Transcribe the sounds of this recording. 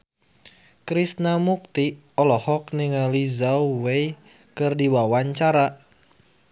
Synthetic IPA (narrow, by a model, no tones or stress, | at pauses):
kɾisnamuk̚t̪i | ɔlɔhɔk̚niŋalizauwei | kɨrdiwawaɲt͡ʃaɾa